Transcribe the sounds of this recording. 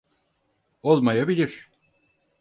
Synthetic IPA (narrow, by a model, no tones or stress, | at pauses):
o̞lˠmajabilʲiɾ̥